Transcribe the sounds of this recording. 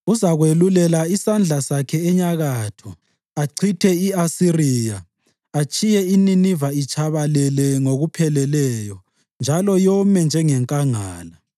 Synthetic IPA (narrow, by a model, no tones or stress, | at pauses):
uzaɣwelulɛlaisand͡ɮʱasakʰɛɛɲaɣatʰɔ | aǀʰitʰɛiasiriːjaː | t͡ʃʼijɛininivait͡ʃʼʰaβalɛlɛŋoɣupʰɛlɛlɛjɔ | nd͡ʒʱalɔjɔmɛnd͡ʒʱɛŋɛŋkʼaŋaːla